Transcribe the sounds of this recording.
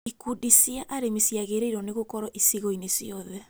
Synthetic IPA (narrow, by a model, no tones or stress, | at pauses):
ikudisiaʔaɾemesiaɣeɾeiɾɔneɣokɔɾɔʔisiɣɔinesiɔðɛ